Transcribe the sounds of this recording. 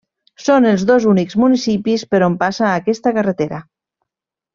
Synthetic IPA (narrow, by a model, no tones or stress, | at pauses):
sonelˠzðozunikzmunisipispəɾompasaːkɛst̪akaret̪eɾa